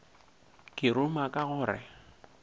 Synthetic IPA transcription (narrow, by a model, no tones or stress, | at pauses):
kʼɪɾʊmakʼaɣʊːɾɛ̰